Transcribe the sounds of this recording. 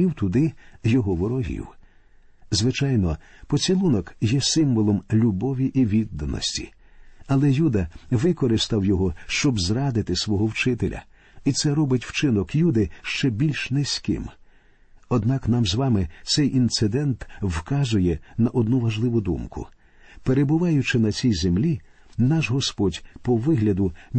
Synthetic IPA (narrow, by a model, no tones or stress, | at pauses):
iwt̪ʊd̪ɪjɔɦɔʋɔɾɔɦʲḭw | zʋɪt͡ʃɑjnɔpɔt͡sʲilˠunɔkjɛsɪmʋɔlˠɔmlʲubɔʋʲiʔiʋʲid̪ːɐnɔ̰sʲtʲḭ | ɐlˠɛjud̪ɐʋɪkɔɾɪst̪ɐwjɔɦɔʃt͡ʃɔbzrɑd̪ɪt̪ɪsʋɔɦɔwt͡ʃɪt̪elʲʔɐ̰ | it̪sɛɾɔbɪtʲwt͡ʃɪnɔkjud̪ɪʃt͡ʃɛbʲilʲʃnɛsʲkɪ̰m | ɔd̪nɑknɑmzʋɑmɪt̪sɛjʔint̪sɪd̪ɛnt̪wkɑzʊjɛnɐʔɔd̪nuʋɐʒlˠɪʋʊd̪umkʊ̰ | peɾebʊʋɑjʊt͡ʃɪnɐt͡sʲijzemlʲi | nɑʃɦɔspɔdʲpɔʋɪɦlʲɐd̪ʊ